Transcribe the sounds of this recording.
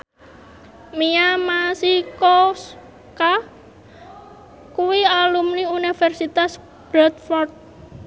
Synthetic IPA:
miamasikɔs | ka | kuwialumniunifɛrsit̪as | b̥ɾɔt̪̚fɔrt̪̚

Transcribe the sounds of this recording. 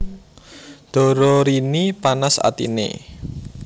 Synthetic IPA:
d̪̥ɔ̤ɾɔɾinipanasa̰t̪ḭnḛ

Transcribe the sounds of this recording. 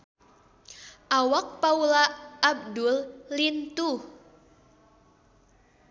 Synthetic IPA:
ʔawak̚paulaʔːb̚dullint̪u

